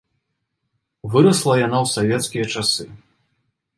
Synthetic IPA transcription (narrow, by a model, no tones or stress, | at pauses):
vɨɾɐslˠɐjanawsavʲɛt̪skʲijɐt͡ʂasɨ